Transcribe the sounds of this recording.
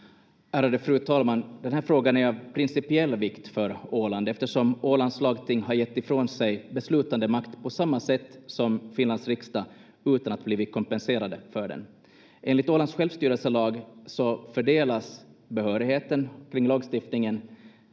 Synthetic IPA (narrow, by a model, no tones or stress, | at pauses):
æːɾad̪əfɾʉ̟ːt̪ʰɑːlmand̪ɛnɦæːɾfɾoːɡanæɾavpʰɾɪnsɪpɪɛlːvɪkt̪fœɾoːland̪ɛft̪əʂɔmoːland̪slɑːɡt̪ʰɪŋːɦaɾjɛt̪ːɪfɾoːnsɛjbɛslʉ̟ːt̪and̪əmakt̪pʰɔsamːasɛt̪ːsɔmfɪnland̪sɾɪkst̪a | ʉ̟ːt̪anat̪bliːvɪt̪̚kʰɔmpɛnseːɾad̪əfœɖɛ̰n | ʔeːnlɪt̪oːland̪sɧɛlvst̪yːɾəlsəlɑːɡsɔfœɖeːlasbɛhœːɾɪheːt̪ənkʰɾɪŋlɑːɡst̪ɪft̪nɪŋən